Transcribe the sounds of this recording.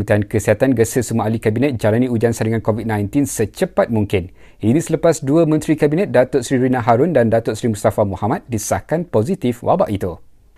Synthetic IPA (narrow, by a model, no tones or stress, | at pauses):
ut̪ankəsiɦat̪anɡəsəsumuaʔalikabinɛ̃t̪̚d͡ʒalanĩud͡ʒansaɾiŋãnkovit̪̚nãjnt̪insət͡ʃəpat̪̚muŋkɪn | inĩsələpasduəmə̃nt̪ɾikabinɛ̃t̪̚dat̪ʊt̪sɾiɾinãɦaɾʊndandat̪ʊʔsɾimust̪afamuhamat̪̚disakanpozit̪ifwa̰baʔit̪u